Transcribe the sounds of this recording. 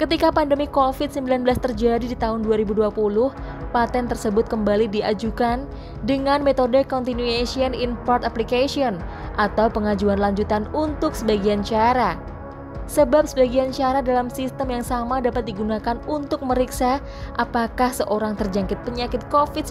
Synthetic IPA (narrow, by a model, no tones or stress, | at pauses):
kət̪ikapandəmikofɪt̪̚səmbilanbəlast̪ərd͡ʒadidit̪aɦʊnduaɾibuduapulʊh | pat̪ɛnt̪ərsəbʊt̪̚kəmbalidiad͡ʒukan | dəŋanmet̪odəkɔnt̪inuesiəninpɔrt̪aplikasiɔn | ʔat̪awpəŋad͡ʒuanlaɲd͡ʒut̪anunt̪ʊk̚səbaɡiant͡ʃaɾa | səbap̚səbaɡiant͡ʃaɾadalamsist̪əmjaŋsamadapat̪̚diɡunakanunt̪ʊk̚məɾiksa | ʔapakahsəʔoɾaŋt̪ərd͡ʒaŋkɪt̪̚pəɲakɪt̪̚kofɪt̪